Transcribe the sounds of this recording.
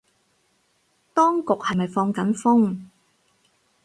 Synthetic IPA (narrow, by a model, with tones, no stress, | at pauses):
t̪ɔː˥ŋkʊ˨k̚hɐ˨jmɐ˨jfɔː˧ŋkɐ˨˥nfʊ˥ŋ